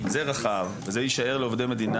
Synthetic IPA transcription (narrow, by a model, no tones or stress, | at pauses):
zeʁaχavvezejiʃae̞ʁleo̞vd̪ejme̞d̪ina